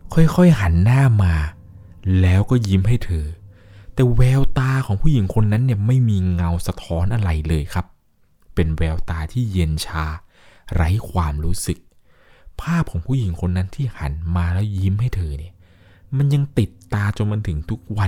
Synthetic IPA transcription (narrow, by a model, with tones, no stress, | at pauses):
kʰɔ˥˩jkʰɔ˥˩jɦa˩˦nːaː˥˩maː˧ | lɛː˦˥wkɔː˥˩ji˦˥mɦa˥˩jt̪ʰɤː˧ | t̪ɛː˨˩wɛː˧wt̪aː˧kʰɔː˩˦ŋpʰuː˥˩ji˩˦ŋkʰo˧nːa˦˥nːi˥˩ɐma˥˩jmiː˧ŋa˧wsa˧t̪ʰɔː˦˥nʔa˧ɾa˧jlɤː˧jkʰa˦˥p̚ː | e˧nwɛː˧wt̪aː˧t̪ʰiː˥˩je˧nt͡ɕʰaː˦˥ | ɾa˦˥jkʰwaː˧mɾuː˦˥sɯ˨˩k̚ | pʰaː˥˩p̚kʰɔː˩˦ŋpʰuː˥˩ji˩˦ŋkʰo˧nːa˦˥nt̪ʰiː˥˩ha˩˦nmaː˧lɛː˦˥wji˦˥mhɦa˥˩jt̪ʰɤː˧ni˦˥˩ɐ | ma˧nja˧ŋt̪i˨˩t̪ːaː˧t͡ɕo˧nma˧nt̪ʰɯ˩˦ŋt̪ʰu˦˥k̚wa˧